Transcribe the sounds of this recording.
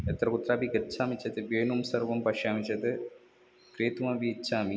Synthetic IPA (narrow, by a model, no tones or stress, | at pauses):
et̪ːɾɐkut̪ːɾaːbiɡɐt͡ʃːaːmit͡ʃːɐt̪ɨʋeːnumsɐɾʋɐmpɐʂjaːmit͡ʃːɐt̪ɨ | kɾeːt̪umaʋit͡ʃːaːmi